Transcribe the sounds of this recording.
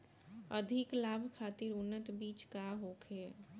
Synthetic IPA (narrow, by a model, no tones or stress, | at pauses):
əd̪ʱɪklaːbʱkʰaːt̪ɪɾʊnːət̪biːt͡ʃkaɦoːkʰeː